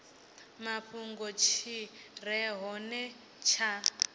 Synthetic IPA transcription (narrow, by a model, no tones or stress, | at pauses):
maɸuŋɡɔt͡ʃʰir̤ɛɦɔnɛ | t͡ʃʰa